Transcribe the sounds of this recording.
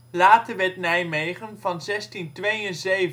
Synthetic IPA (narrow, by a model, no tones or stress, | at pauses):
laːtəʋɛtnɛjmejχənvɑnzɛstintʋejənzejv